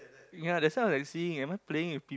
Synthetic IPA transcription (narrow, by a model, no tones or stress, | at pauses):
jadɛsãlajksiɪ̃ŋãɪ̃mapleɪ̃ŋwɪfpi